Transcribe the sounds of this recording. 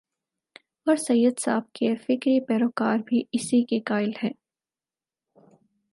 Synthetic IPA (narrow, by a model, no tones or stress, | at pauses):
ɔːɾsɐjəd̪sa̰ːb̚kefɪkɾipɛːɾoːkaːɾbʱiɪsikekaːɪlhɛ̃ː